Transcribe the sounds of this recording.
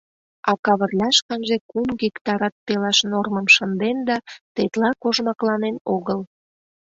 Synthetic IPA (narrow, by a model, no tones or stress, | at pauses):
ɑkɑβərlʲɑʃkɑnʒekumɣikt̪ɑɾɑt̪̚pelɑʃnorməmʃənd̪end̪ɑt̪et̪lɑkoʒmɑklɑnenoɣəl